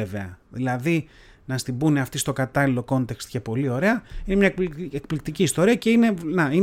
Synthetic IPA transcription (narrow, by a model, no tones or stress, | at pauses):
eve̞ɐ̰ðilɐði | nɐst̪imbune̞ɐft̪ist̪o̞kɐt̪ɐlilo̞ko̞nt̪e̞kst̪ce̞po̞lio̞ɾe̞ɐine̞mɲɐekplik̚t̪iciːst̪o̞ɾiɐce̞ine̞nɐi